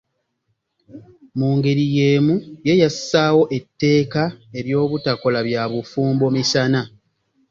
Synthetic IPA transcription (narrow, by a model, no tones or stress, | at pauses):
muːŋɡe̞ɾije̞ːmuje̞jassaːwo̞ʔe̞tːe̞ːkae̞ɾjo̞ːβutako̞laβjaːβufuːmbo̞misana